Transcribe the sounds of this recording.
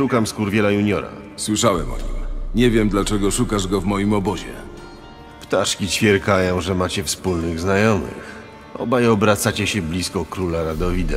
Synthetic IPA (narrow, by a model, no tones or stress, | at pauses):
ʂukamskuɾvʲjɛlajuɲɔɾa̰ | swɘʂawɛ̰mɔ̰ɲḭmɲɛvʲjɛmd̪lat͡ʂɛɡɔʂukaʐɡɔvmɔjimɔbɔʑɛ̰ | pt̪aʂkʲit͡ɕfʲjɛɾkajɔ̃w̃ʐɛmat͡ɕɛfspulnɘɣznajɔmɘ̰x | ɔ̰bajɔbɾat̪sat͡ɕɛɕɛblʲiskɔkɾulaɾad̪ɔvʲid̪ɛ